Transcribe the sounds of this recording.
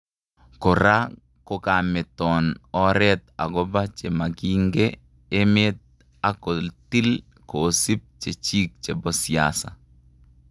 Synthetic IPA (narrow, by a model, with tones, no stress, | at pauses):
ko˨ɾa˦ | ko˨ka˨mɛ˨t̪ɔ˨nɔ˦ɾɛ˦t̪a˨ɡɔ˦ba˦t͡ʃe˨ma˨ɡi˦ŋɡeː˦ | mɪ˦t̪̚ | a˦ko˨lt̪i˦l | koː˨si˦p̚t͡ʃe˨t͡ʃi˦k̚t͡ʃe˨bɔ˦sɪja̰sa̰˨